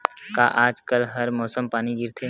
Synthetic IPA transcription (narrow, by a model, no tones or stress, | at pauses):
kaʔaːd͡ʒkəlɦɐɾmɔːsəmpaːniɡɪɾt̪ʰe